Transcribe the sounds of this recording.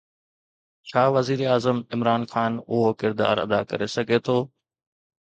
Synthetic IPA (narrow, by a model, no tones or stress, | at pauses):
t͡ɕʰaːʋɐziːɾeaːzəmɪmɾaːnxaːnʊɦokɪɾd̪a̰ːɾɐ̰d̪a̰kɐ̰ɾesɐɡʱet̪ʰoː